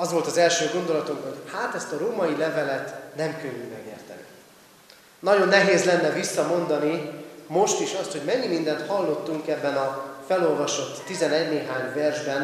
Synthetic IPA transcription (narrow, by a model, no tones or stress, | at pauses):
ɒzʋo̞lt̪ɒzɛlʃøːɡo̞nd̪o̞lɒt̪uŋkho̞ɟhaːt̪ɛst̪ɒɾoːmɒjilɛvɛlɛt̪nɛmkøɲːymɛɡeːrt̪ɛ̰nḭ | nɒɟo̞nːɛɦeːzlɛnːɛvisːɒmo̞nd̪ɒnimo̞ʃt̪iʃɒst̪ho̞ɟmɛɲːimind̪ɛnt̪hɒlːo̞t̪ːuŋkɛbːɛnɒfɛlolvɒʃo̞t̪ːizɛnɛɟneːɦaːɲvɛrʒbɛn